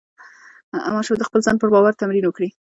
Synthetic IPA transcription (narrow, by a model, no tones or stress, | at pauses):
a̰mɑʃed̪əxpəlzɑnpəɾbɑwaɾt̪amɾinwəkɽi